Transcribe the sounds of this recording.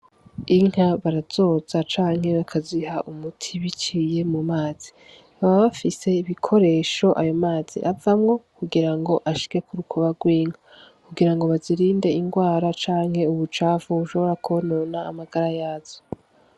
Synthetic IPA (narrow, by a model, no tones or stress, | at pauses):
iŋ̥haβaɾaz̥o̞ːz̥at͡ʃaːŋ̥he̞βakʰaziɦaʔumutʰiβit͡ʃije̞mumaːz̥i̥ | aβaβafise̞iβikʰo̞ɾe̞ːʃo̞ʔajomaːz̥ḭʔavamŋo̞kuɡiɾaŋɡo̞ʔaʃi̥ke̞kuɾukʰoβaɡwiːŋ̥ha | kuɡiɾaŋɡo̞βaziɾiːnde̞iŋɡwaːɾat͡ʃaːŋhe̞uβut͡ʃaːvuuʃo̞βo̞ɾakʰonoːna̰ːmaɡ̥aɾajaːz̥o